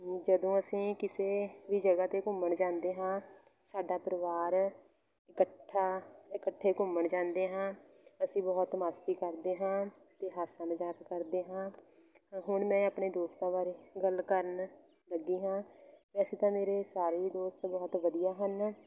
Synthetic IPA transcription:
d͡ʒəd̪õːəsĩːkɪseːʋiːd͡ʒəɡaːt̪eːkʊməɳd͡ʒãːnd̪eːɦãː | saːɖaːpəɾəʋaːɾ | ɪkəʈʰːaːɪkəʈʰːeːkʊməɳd͡ʒãːnd̪eːɦãː | əsĩːbɔːt̪maːst̪iːkəɾd̪eːɦãː | t̪eːɦaːsənd͡ʒaːkkəɾd̪eːɦãː | ɦʊɳmɛ̃ːaːpɳeːd̪oːst̪ãːbaːɾeːɡəlkəɾən | ləɡiːɦãːʋɛːseːt̪ãːmeːɾeːsaːɾeːd̪oːst̪bɔːt̪ʋəd̪ijaːɦən

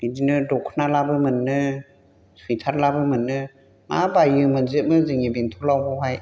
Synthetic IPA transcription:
bidinɯdɔkʰːnalabɯmɯnːɯ | sɯjt̪ʰaɾlabɯmɯnːɯ | ma̰bajɯmɯnzɯt̚mɯzɯŋibintʰɔlawbɔɦaj

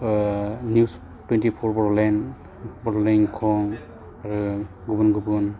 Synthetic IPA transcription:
nis | twintipʰɔɹbɔɹɔlan | bɔɹɔlaŋkʰɔŋ | aɹu | ɡubunɡubun

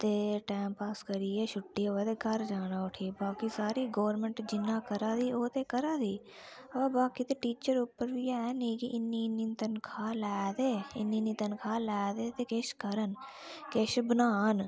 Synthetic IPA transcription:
t̪eːʈaːmpaːskəɾiːeʃʊʈːiet̪eɡʱɐɾd͡ʒaːnaʊʈʰiːbaːkisaːɾiɡoːʋəɾmẽɳʈd͡ʒɪnːaːkəɾaːd̪iːoːt̪ekɐɾaːd̪iː | ɐʋabaːkit̪eʈiːt͡ʃəɾuːpəɾbʱijɛneːkiʔɪnːinːint̪ɐnkʰaːlaːd̪eːɪnːinit̪ɐnkʰaːlaːd̪et̪ekeːʃkəɾən | keːʃbənaːn

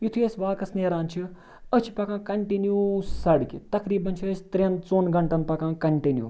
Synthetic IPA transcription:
jut̪ʰiɐsʲʋaːkɐsneːɾaːnt͡ʃʰi | ət͡ʃʰi̥pɐkãːkɐɳʈinjusɐɽkit̪ɐkɾiːbɐnt͡ʃʰiɐsʲi̥t̪ɾent͡soːnɡɐɳʈɐnpɐkãːkɐɳʈinjṵː

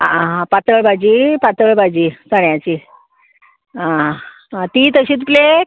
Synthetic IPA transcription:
aãpat̪əɭbʱad͡ʑiːpat̪əɭbʱad͡ʑisəɳjãt͡ɕi | ã | ãt̪iːt̪əɕiːt͡s̪plek

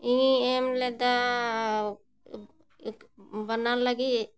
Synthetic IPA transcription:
iemlɛd̪a | bənːanlaɡi

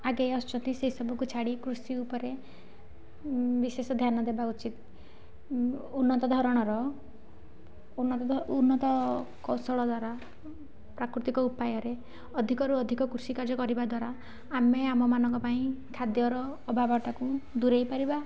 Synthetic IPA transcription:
aɡejɔst͡ʃɔnt̪iseɦisɔbʱɔkut͡ʃʰaɽikɾusiupɔɾe | bisesɔd̪ʱjanɔd̪ebaut͡ʃit̪ | unːɔt̪ɔd̪ʱɔɾɔɽ̃ɔɾɔ | unɔunːɔt̪ɔkɔsɔɭɔd̪waɾa | pɾakɾut̪ikɔupajɔɾe | ɔd̪ʱikɔɾuɔd̪ʱikɔkɾusikaɾd͡ʒɔkɔɾibad̪waɾaː | meamɔmanɔŋkɔpaĩkʰad̪jɔɾɔːbʱabɔʈakud̪uɾejpaɾiba

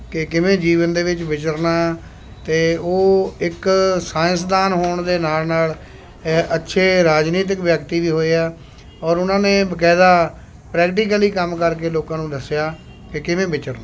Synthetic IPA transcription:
kɪkɪʋẽːd͡ʒiːʋənd̪eːʋɪt͡ʃbɪt͡ʃəɾnaː | t̪eːoːɪksaːə̃sd̪aːnɦoːɳd̪eːnaːlnaːl | ətːʃʰeːɾaːd͡ʒniːt̪̬ɪkbjəkt̪iːʋiːɦoːeːɛː | ɔːɾʊnãːnẽːbəkɛːd̪aː | pɾɛːkʈiːk̬əliːkəmkəɾkeːloːkãːnũːd̪əsːjaː | kɪkɪʋẽːbɪt͡ʃəɾnaː

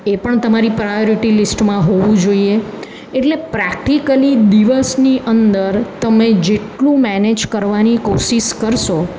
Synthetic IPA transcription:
epəɳt̪əmaɾipɾajoɾiʈilisʈmãɦoʋũd͡ʒoie | eʈlepɾɛk̚ʈikəlid̪iʋəsniʔənd̪əɾt̪əmed͡ʒeʈlũmɛned͡ʒkəɾʋanikoʃiʃkəɾʃo

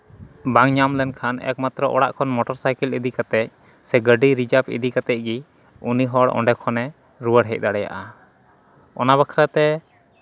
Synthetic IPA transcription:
baŋɲamlɛnkʰanɛ̰k̚mat̪ɾɔʔɔ̰ɽa̰ʔkʰɔnmɔʈɔɾsajkilid̪ikat̪ɛc̚ | sɛɡəɖiɾid͡ʒapḭd̪ikat̪ɛc̚ˀɡi | uniɦɔɽɔ̰̃ɳɖɛkʰɔnɛ | ɾuwəɽɦɛc̚d̪aɽɛja̰ʔa | ɔnaβakʰɾat̪ɛ

